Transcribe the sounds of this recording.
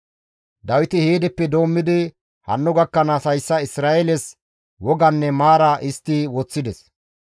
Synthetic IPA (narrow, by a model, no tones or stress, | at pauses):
d̪ɐwɪt̪ɪheːd̪ɛpːɛd̪o̞ːmːɪd̪ɪ | hɐ̰nːʊɡɐkːɐnɐsɐjsːɐɪsɾaːʔɛlɛs | wɔɡɐnːɛmaːɾɐʔɪst̪ːɪwɔt͡sːɪd̪ɛs